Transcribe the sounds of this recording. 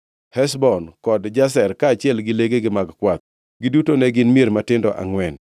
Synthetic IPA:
hɛsbɔnkɔdd͡ʒas̬ɛrkaːt͡ʃɪɛlɡɪleɡeɡɪmaɡkwat̪̚ | ɡɪdutonɛɡɪnmieɾmatɪndɔʔa̰ŋwɛn

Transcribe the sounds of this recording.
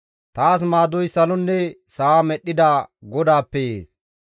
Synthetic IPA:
t̪aːs̬maːd̪ɔjsɐlɔnːɛsaamɛɗːɪd̪aːɡɔd̪aːpːɛjeːs

